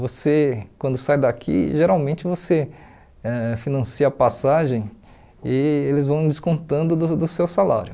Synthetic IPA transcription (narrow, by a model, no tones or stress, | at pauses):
vosekwɐ̃nd̪ʊsajd̪akʰḭʒeɾawmẽnt͡ʃɪvose | ɛfinɐ̃siɐpasaʒẽj̃ | ɪelɪzvɐ̃w̃d͡ʒɪskõnt̪ɐ̃nd̪ʊd̪ʊd̪ʊsewsala̰ɾjʊ